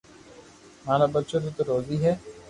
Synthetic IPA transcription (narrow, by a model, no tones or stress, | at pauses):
maːlabət̪ːʃod̪ot̪oɾoːziɦɛː